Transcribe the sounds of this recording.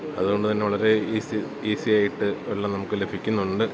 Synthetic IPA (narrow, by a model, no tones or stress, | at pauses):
ɐðuɣo̞ɳɖɨt̪ɐnːe̞ʋɐɭɐɾe̞isi | iːsijaːjiʈːɨeɭːɐnɐmukːɨle̞bʱikʲːunːuɳɖɨ